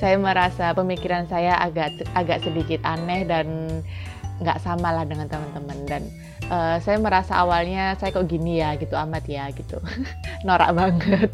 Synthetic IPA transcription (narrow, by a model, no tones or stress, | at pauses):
sajaməɾasapəmikiɾansajaʔaɡaʔaɡaʔsəbikɪt̪anɛhdan | ŋɡa̰ʔsamalahdəŋant̪əmənt̪əməndan | ʔəːsajaməɾasa̰ːwalɲasajakoʔɡinijaɡit̪uamat̪jaɡit̪ṵ | noɾa̰ʔbaŋət̪̚